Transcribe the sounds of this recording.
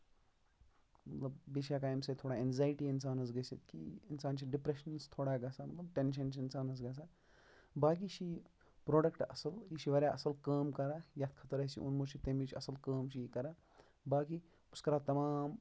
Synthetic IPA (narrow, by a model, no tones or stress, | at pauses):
mɐt̪lɐbbiʃjakaːjmsɐt̪ʰoːɽaenzaːjiʈiɪnsaːnɐs̬ɡɐsit̪kḭɪnsaːnt͡ʃʰiɖipɾeʃɐnst̪ʰoːɽaɡɐsamɐt̪lɐbʈenʃ̬ɐnt͡ʃʰɪnsaːnɐs̬ɡɐs̬aː | baːk̬it͡ʃʰi | pɾoːɖɐkʈɐsɐljiʃiʋɐɾjaʔɐsɐlkəːmkɐɾajɐt̪kʰɐt̪ɐɾɐsʰḭʔo̰nmot͡ʃʰit̪emit͡ʃʰɐsɐlkəːmt͡ʃʰikɐɾa | baːk̬i | ʊskɐɾaːt̪ɐmaːm